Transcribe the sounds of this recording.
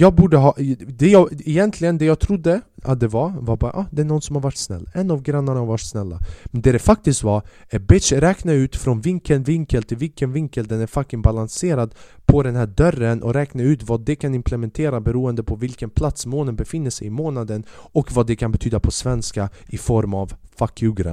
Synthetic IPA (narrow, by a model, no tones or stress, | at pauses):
jɑːɡbuːɖəɦɑːd̪ɛjɑɛjɛnt̪ʰlɪɡənd̪ɛjɑːɡt̪ʰɾʊd̪ːəa̰t̪̚d̪ɛvaɾvaɾbɑːɾa̰ʔɑːd̪ɛæɳɔnːsɔmhaɾvaʈːsnɛ̰lːɛnːavɡɾanːaɳahaɾvaʈːsnɛlːa̰mɛnd̪ɛd̪ɛfak̚t̪ɪskt̪vaɾɛbɪʂɾɛːknaʉ̟ːt̪fɾɔnvɪŋkənvɪŋkəlt̪ʰɪlvɪlkənvɪŋkəld̪ɛnæɾfakːɪŋbalanseːɾad̪pʰɔd̪ɛnɦæːɖœrːənʔɔ̰ɾɛːknaʉ̟ːt̪vad̪ɛkʰanɪmpʰlɛmɛnt̪ʰeːɾabɛɾuːənd̪əpʰɔvɪlkənpʰlat̪smoːnənbɛfɪnːəʂɛ̰jɪmoːnad̪ənɔkvad̪ɛkʰanbɛt̪ʰyːd̪apʰɔsvɛnskaʔɪfɔɾmavfakːʉɡɾa̰